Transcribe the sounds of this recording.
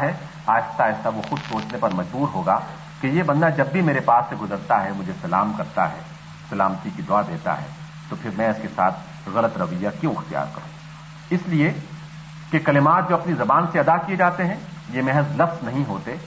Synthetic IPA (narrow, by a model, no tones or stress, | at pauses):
ɦɛ | aːjɪst̪aːɪsaʋoxʊd̪soːt͡ʃnepɐɾmɐd͡ʒbuːɾɦoːɡa | kejebɐ̃nd̪ad͡ʒɐbːimeːɾepaːsːeɡʊzəɾt̪aɦɛmʊd͡ʒʱesɐlaːmkɐɾt̪a̰ɦɛː | sɐlaːmət̪ikid̪ʊad̪eːt̪a̰ɦɛ̰ː | t̪opʰɪɾmɛ̃ɪskesa̰ːt̪̚ʰ | ɣɐlət̪ɾɐʋəjːakjõɪxt̪ija̰ːɾkɐɾṵ̃ː | ɪslie | kekɐlɪmaːt̪̚d͡ʒoːɐpnizɐbaːnseɐd̪akied͡ʒaːt̪eɦɛ̃jemɛɦəzlɐfznɐɦĩɦoːt̪eː